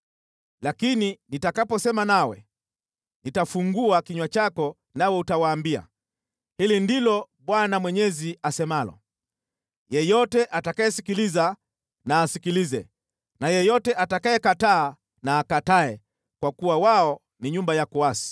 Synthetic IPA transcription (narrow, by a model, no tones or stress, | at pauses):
lakininitakapɔsɛmanawɛ̰ | nitafuŋɡuakiɲwat͡ʃakɔ | nawɛutawaːmbia̰ | hilindilɔ | ɓwanamwɛɲɛziasɛmalɔ̰ | jɛjɔtɛʔatakajɛsikiliza | naːsikilizɛ | najɛjɔtɛʔatakaɛkataː | naːkataɛ | kwakuwawaɔ | niɲumbajakuasi̥